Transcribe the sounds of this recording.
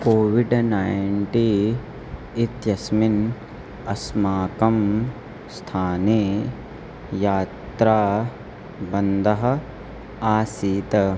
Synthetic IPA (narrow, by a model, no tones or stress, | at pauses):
koːʋiɖnaːjɳʈiː | it̪jɐsmin | ɐsmaːkɐm | st̪ʰaːneː | jaːt̪ɾaː | bɐnd̪ʱɐɦɐ̆ | aːsiːt̪ɐ